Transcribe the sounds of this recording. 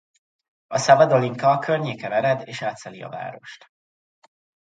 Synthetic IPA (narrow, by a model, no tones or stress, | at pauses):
ɒsɒbɒd̪oliŋkɒkʰørɲeːkɛmɛɾɛd̪eːʃaːt̪sɛliɒ̰va̰ːɾo̞̰ʃt̪